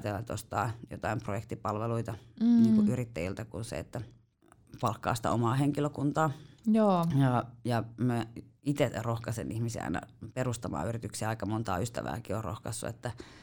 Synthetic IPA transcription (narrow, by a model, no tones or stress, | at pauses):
t̪elːɑet̪ost̪ɑːjo̰t̪ɑimprojekt̪ipɑlʋeluit̪ɑniːŋkuʔyrit̪ːæjilt̪ækunsḛḛt̪ːæ | pɑlkːɑ̰ːst̪æ̰omɑːheŋkiløkunt̪ɑːjoːjɑjɑmæit̪erohkɑsḛnihmisḭɑ̰inɑ̰perust̪ɑmɑ̰ːyrit̪yksiæɑikɑmont̪ɑ̰ːyst̪æ̰ʋæ̰ːkiorro̰hkɑsːṵḛt̪ːæ